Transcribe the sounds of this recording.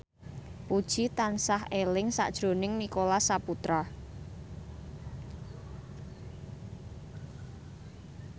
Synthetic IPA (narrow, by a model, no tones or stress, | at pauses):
pud̥ʒ̥it̪ansahelɪŋsa̰ʔd̥ʒ̥ɾo̤nɪŋnikolasaput̪ɾa